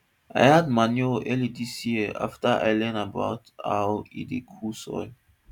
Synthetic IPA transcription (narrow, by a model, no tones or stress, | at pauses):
a̰jhad̚manoʔɛlidisjiəa̰ftəʔa̰jlɛ̃naba̰ʊta̰ʊḭ̃dikʰusɔ̰j